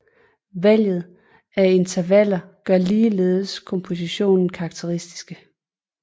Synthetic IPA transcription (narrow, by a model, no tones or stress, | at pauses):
ʋæl̰jð̞̩ˠ | æe̝nt͡sʰɐʋæl̰ɐɡ̥ɶɐliːleːð̞ˠəskʰɒ̽mpʰo̝siɕo̝̰ːnn̩kʰɑ̈ːɡ̥̚t͡sʰeʁisd̥i̥sɡ̥ə